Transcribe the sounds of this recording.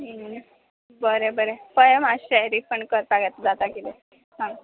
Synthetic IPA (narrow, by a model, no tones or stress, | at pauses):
in | bəɾebəɾepəjemaɕɛɾiːpəɳkəɾpaɡjat̪d͡zat̪akid̪e | ɦã